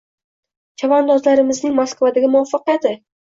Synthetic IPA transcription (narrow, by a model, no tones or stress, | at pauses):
t͡ʃʰavand̪ɒzlaɾɪmɪznɪŋmaskvad̪aɡʲɪmʊɒfɨqjat̪ʰɪ